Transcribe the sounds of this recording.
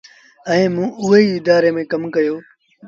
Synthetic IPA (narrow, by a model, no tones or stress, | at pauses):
əẽːmũːʊɦeiːɪd̪aːɾeːmẽːkɐmkɐjoː